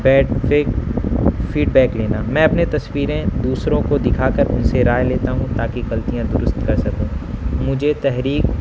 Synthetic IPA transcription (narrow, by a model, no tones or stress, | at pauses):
bɛːɖe | fiːɖbɛːkleːnamɛ̃ɐpnet̪ɐswiːɾẽd̪uːsɾõkod̪ɪkʰaːkɐɾʔʊ̰nseɾaːjleːt̪aɦũt̪aːkiɣɐlt̪ijãd̪ʊɾʊst̪kɐɾsɐkũːmʊd͡ʒʱet̪ɛɦɾiːk